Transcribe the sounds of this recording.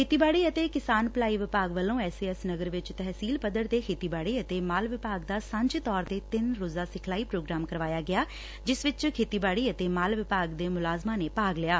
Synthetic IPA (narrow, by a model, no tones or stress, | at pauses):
kʰeːt̪iːbaːɽiːət̪eːkɪsaːnplaːiːʋɪpaːɡʋəlõːɛːseːəsnəɡəɾʋɪt͡ʃt̪ɛɦsiːlpəd̪əɾt̪eːkʰeːt̪iːbaːɽiːət̪eːmaːlʋɪpaːɡd̪aːsə̃ɲd͡ʒt̪ɔːɾt̪eːt̪ɪnɾoːzaːsɪkʰlaːiːpɾoːɡɾaːmkəɾʋaːjaːɡɪaː | d͡ʒɪsʋɪt͡ʃkʰeːt̪iːbaːɽiːət̪eːmaːlʋɪpaːɡd̪eːmʊlaːzmãːneːpaːɡlɪaː